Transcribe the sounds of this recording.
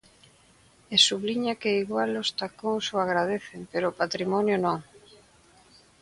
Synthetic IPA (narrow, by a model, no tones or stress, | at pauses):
esuβliɲakeiɣwalost̪akoŋsoaɣɾaðeθempeɾoːpat̪ɾimɔnjonõŋ